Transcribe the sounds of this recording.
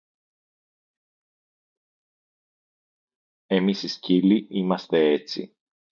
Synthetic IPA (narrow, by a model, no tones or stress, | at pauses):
e̞misisciliimɐst̪e̞et͡sḭ